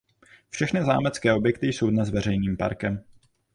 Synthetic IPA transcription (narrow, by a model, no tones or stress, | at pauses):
fʃɛxnɪza̰ːmɛt͡skɛːʔo̞bjɛkt̪ɪjso̞wdnɛzvɛrɛjniːmpa̰ɾkɛm